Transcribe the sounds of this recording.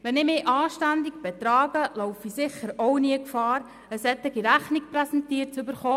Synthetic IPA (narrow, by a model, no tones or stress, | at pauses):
ʋɛnɪmɪːʔɑːʃtændik̚b̥ɛt̪ɾɑːɡəlɔʊfisɪχəɾɔwniəkfɑːɾ | əshɛt̪ːɪɡiɾæχnik̚prɛsɛntiːəɾtt͡sybəɾχoː